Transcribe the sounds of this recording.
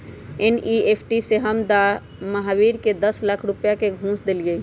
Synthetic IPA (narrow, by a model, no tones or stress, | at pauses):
eniepʰʈiseɦəmd̪a | məɦawiɾked̪əslakʰɾupjakeɡʱũːsd̪elɡəi